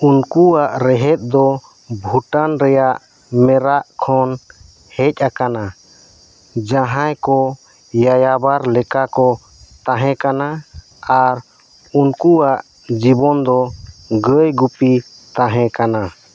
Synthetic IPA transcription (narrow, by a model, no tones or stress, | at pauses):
unkuaʔɾɛɦɛt̪̚ˀd̪ɔ | bʱuʈanɾɛjaʔ | mɛɾaʔkʰɔn | hɛc̚ʼˀakana | d͡ʒaɦãjkɔ | jajabaɾlɛkakɔ | t̪ãɦɛ̃kana | aɾ | unkuaʔ | d͡ʒibɔnd̪ɔɡəjɡupi | t̪ãɦɛ̃kana